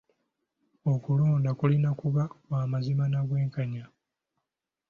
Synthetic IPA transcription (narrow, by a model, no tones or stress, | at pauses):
okuluːndakulinakuβawaːmazimanaɡwe̞ːŋkaɲa